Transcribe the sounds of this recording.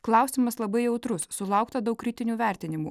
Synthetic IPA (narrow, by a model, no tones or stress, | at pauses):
klˠɐˑʊsʲiːmɐslˠɐbɐɪjɛʊt̪ɾʊsːʊlˠɐˑʊkt̪ɐd̪ɐʊkːɾʲɪt̪ʲɪnʲuːʋʲæˑɾʲt̪ʲɪnʲɪmṵː